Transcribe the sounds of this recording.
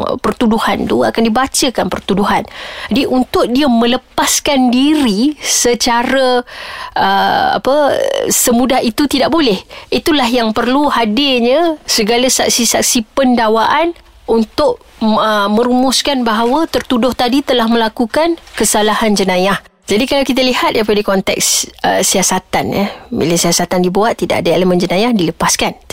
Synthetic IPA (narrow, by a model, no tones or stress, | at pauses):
pərt̪uduhant̪ua̰kandibat͡ʃəkanpərt̪uduɦand͡ʒadiʔunt̪ʊʔ̚diəmə̃ləpaskandiɾisət͡ʃaɾəʔəa̰pə̰səmudahit̪ut̪idaʔ̚bolɛhit̪ulahjaŋpərluhadɪrɲə̃səɡalasak̚sisak̚sipəndawaʔan | unt̪ʊʔ̚ | əmə̃ɾumʊskanbaɦawət̪ərt̪udʊht̪adit̪əlahmə̃lakukankəsalahand͡ʒənãjah | d͡ʒadikalawkit̪̬alihat̪̚dajpadəkɔnt̪ɛ̰ksə̰siasat̪a̰njə̰mḭləsiasat̪andibuat̪ːida̰ʔadaeləmə̃nd͡ʒənãjahdiləpaskan